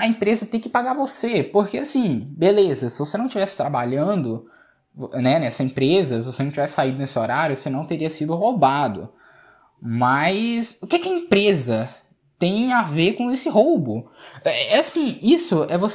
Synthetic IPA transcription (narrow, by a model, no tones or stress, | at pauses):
ɐẽpɾezɐt̪ẽj̃kɪpaɡaɾvosepoɾkeasĩbelezɐsɪvosenɐ̃w̃t͡ʃivɛsɪ̥t̪ɾabaʎɐ̃nd̪ʊ | vonɛnɛsɐẽpɾezɐsɪvosenɐ̃t͡ʃivɛsɪ̥said̪ʊnesɪoɾaɾjʊosenɐ̃w̃t̪eɾiɐsid̪ʊɦowbad̪ʊ̰ | mɐjsʊkɛkɪɐẽpɾezɐ | t̪ẽj̃avekõesɪɦowbʊɛɛasĩisʊɛvos